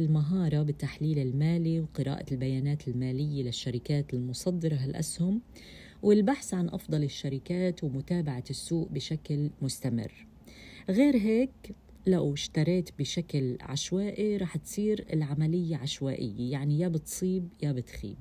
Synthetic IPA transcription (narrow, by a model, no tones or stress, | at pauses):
ɪlmaɦɑːɾˤɑbɪt̪ːaħliːlɪlmaːliwqɨɾʔa̰ːʔa̰lbajaːnaːt̪ɪlmaːlɪjːelɪʃːaɾɪkaːt̪ɪlmʊsˤɑd̪ːɪɾˤɑɦalʔa̰shʊm | wɪlbaħsʕanʔɑ̰fd̪ˤɑlɪʃːaɾɪkaːt̪wmʊt̪aːbaʕasːuːʔbɪʃaklmʊst̪amɪ̰rː | ɣeːɾɦeːk | lawɪʃt̪ɑɾˤeːt̪bɪʃaklʕa̰ʃwaːʔiɾˤɑːħt̪sˤiːɾɪ̰lʕamalɪjːaʕaʃwaːʔɪ̰jːejaʕnijaːbɪt̪sˤiːb̚jaːbɪt̪xḭːb̚